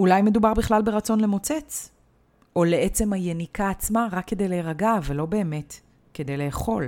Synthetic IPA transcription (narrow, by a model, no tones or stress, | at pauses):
ulajme̞dubaʁbiχlalbe̞ʁat͡so̞nle̞mo̞t͡set͡s | ʔo̞leet͡se̞majenikaːt͡smaʁakːe̞de̞jleʁaɡavelo̞be̞ːme̞t | ke̞de̞jle̞ːχo̞l